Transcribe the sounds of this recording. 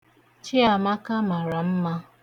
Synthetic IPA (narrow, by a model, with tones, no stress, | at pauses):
t͡ʃɪ˦a˨ma˦ka˦ma˨ɾa˨m̩˦ma˦